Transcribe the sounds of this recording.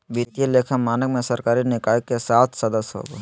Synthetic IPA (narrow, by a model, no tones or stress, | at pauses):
ʋit̪ieleːkʰəmaːnəkmẽsɐɾkaːɾinɪkaːjəkːesaːt̪ʰsɐd̪əsɦo̰ːɡo̰ː